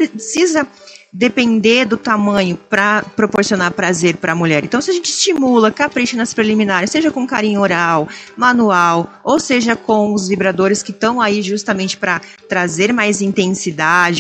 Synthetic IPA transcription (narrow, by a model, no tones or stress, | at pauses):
ɾsizɐ | d̪epẽnd̪eɾd̪ʊt̪amɐ̃ɲʊpɾɐpɾopoɾsionaɾpɾazeɾpɾɐmuʎɛɾẽnt̪ɐ̃w̃sɪaʒẽnt͡ʃɪɪst͡ʃimulɐkapɾeʃinɐspɾelimĩnaɾɪseʒɐkõkaɾĩɲʊoɾawmɐ̃nuaw | owseʒɐkõw̃ʊzvibɾad̪oɾɪskɪt̪ɐ̃w̃aiʒust̪ɐmẽnt͡ʃɪ̥pɾɐ | t̪ɾazeɾmajzĩnt̪ẽsid̪ad͡ʒɪ